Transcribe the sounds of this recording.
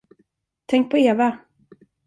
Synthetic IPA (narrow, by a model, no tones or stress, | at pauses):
t̪ʰɛŋk̚pʰɔeːva